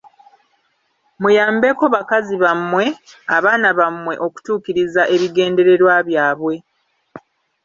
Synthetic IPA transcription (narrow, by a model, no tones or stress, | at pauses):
mujaːmbe̞ko̞βakaziβamːwe̞aβaːnaβamwe̞ʔo̞ku̥tuːkiɾizaʔe̞βiɡe̞ːnde̞ɾe̞ɾwaβjaːβwe̞